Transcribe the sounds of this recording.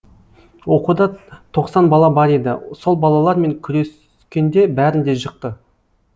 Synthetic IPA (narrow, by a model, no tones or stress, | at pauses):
wo̞qud̪ɑt̪ʰo̞qsɑnbɑlˠɑbɑɾed̪ɪ̰so̞lˠbɑlˠɑlˠɑɾme̞ŋkʲʰʏɾe̞s | kʲe̞nd̪e̞bæɾɪnd̪e̞ʒəq̚t̪ə